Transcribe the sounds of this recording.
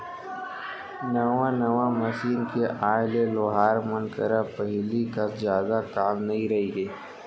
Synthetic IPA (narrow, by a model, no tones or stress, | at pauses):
nɐʋãnɐʋamɐsiːnkeʔaːɪleloɦaːɾmənkɐɾapɐɦlikazjaːd̪akaːmnɐɦĩɾɐɦiɡeː